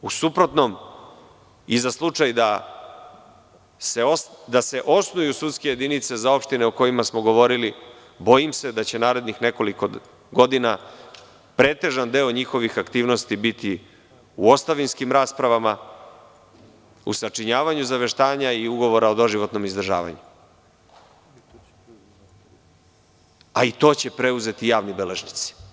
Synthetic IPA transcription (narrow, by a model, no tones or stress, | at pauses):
usupɾo̞t̪nom | izaslˠut͡ʂajd̪a | se̞od̪aseʔo̞snujusut̪ske̞je̞d̪init̪se̞zao̞pʃt̪ine̞oko̞jimasmoɡo̞ʋo̞ɾili | bo̞jimse̞d̪at͡ɕe̞naːɾe̞d̪nixne̞ko̞liko̞ | ɡo̞d̪ina | pɾe̞ːt̪e̞ʒand̪e̞ːoɲixo̞ʋixakt̪iːʋno̞st̪ibit̪i | uo̞st̪aʋinskimɾaːspɾaʋama | ṵsat͡ʂiɲaːʋaɲuzaʋe̞ʃt̪aːɲaiuɡo̞ʋo̞ɾaod̪o̞ʒiʋo̞t̪no̞mizd̪r̩ʒa̰ːʋa̰ɲu | ait̪o̞ːt͡ɕe̞pɾe̞uze̞t̪ijaːʋnibele̞ʒnit̪si̥